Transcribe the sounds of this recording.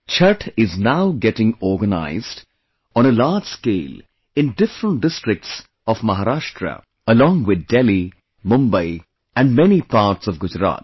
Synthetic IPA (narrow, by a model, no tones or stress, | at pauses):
t͡ʃʰʌʈɪznaʊɡɛʈɪ̃ŋɔɾɡəna̰ɪzd | ɔ̃nəlaːd͡ʒskeːl | ɪ̃nɖɪfɾə̃ɳʈ̚ɖɪsʈɾɪk̚ʈs | ɔvmaɦaɾaːʃʈɾə̰ | əlɔ̃ːŋwɪd̪̚dɛli | mʊ̃mbəɪ | æ̃nɖmɛnipaːɾʈsɔvɡʊd͡ʒɾa̰ːt̚